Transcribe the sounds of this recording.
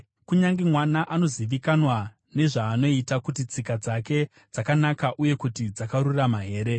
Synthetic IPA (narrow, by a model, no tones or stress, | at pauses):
kuɲaŋɡemwanaʔano̞ziʋikanwa | ne̞ʐaːno̞itakutit͡sikad͡zake̞ | d͡zakanakaʔuje̞kutid͡zakaɾuramaɦe̞ːɾe